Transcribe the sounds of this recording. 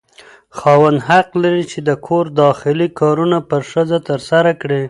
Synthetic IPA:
xɑwand̪ɦaqlaɾit͡ʃed̪əkʰoɾd̪ɑxɪlikʰɑɾunapəɾʂəzat̪əɾsaɾakɽe

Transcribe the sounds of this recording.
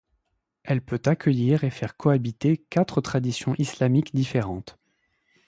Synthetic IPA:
ɛlpøt̪akʲʰəjiʁefɛʁkʰɔabit̪ekat̪χət̪χad̪isjɔ̃ʔislamikd̪ifeʁɑ̃t̪

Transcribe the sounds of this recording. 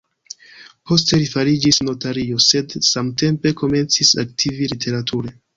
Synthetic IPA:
po̞ste̞lifaɾid͡ʒisno̞taɾio̞se̞dsamte̞mpe̞kʰo̞me̞nt͡sisa̰k̚tʰivilitʰe̞ɾatʰuɾe̞

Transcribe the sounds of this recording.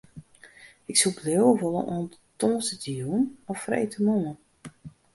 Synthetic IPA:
ɪksublewəʋolˠə̰nʔoːntoːsətəjunɔfrḛjtʰəmomə

